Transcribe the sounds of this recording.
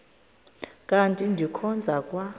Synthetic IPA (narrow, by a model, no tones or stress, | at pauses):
kʼantʼindʱikʰɔnd͡zʱakʼwa